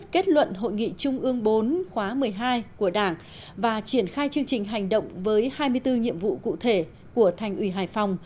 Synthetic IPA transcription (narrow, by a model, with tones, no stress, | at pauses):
ke˦˥t̚lwə̰˧˨nɦo̰˧˨jŋḭ˧˨t͡ɕʊ˧ŋ͡mʔɨ˧əŋɓo˨˦nxwaː˨˦mɨ˨˩əjɦaː˧jku˧˩əɗaː˧˩ŋ | vaː˨˩t͡ɕi˧˩ənxaː˧jt͡ɕɨ˧əŋt͡ɕï˨˩ŋ̟ɦa˨˩jŋ̟ɗə̰˧˨wŋ͡mvəː˨˦jhaː˧jmɨ˧əjt̪ɨ˧ɲḭ˧˨əmvṵ˧˨kṵ˧˨t̪ʰe˧˩ | ku˧˩ət̪ʰa˨˩jŋ̟ʔi˧˩ɦaː˧˩jfa˨˩wŋ͡m